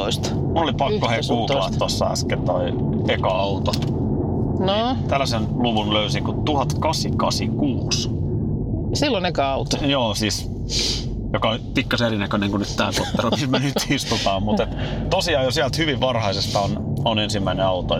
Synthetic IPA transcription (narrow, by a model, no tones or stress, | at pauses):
ist̪ | mulolipɑkːohekuːkɑlɑt̪t̪ːosːɑ̰æ̰sket̪o̰i | ekɑɑut̪o | no | t̪ælːæsenluʋunløysiŋkut̪uhɑt̪kɑsikɑsikuːs | silːonekɑɑut̪ojoːsiːs | jokɑonpikːɑseɾinækøneŋkunyt̪t̪æːpot̪ːɑruismænyt̪ist̪ut̪ɑːmmut̪et̪ | t̪osiɑːjosiælt̪hyʋiʋʋɑrhɑisest̪ɑon | onensimːæineɑut̪o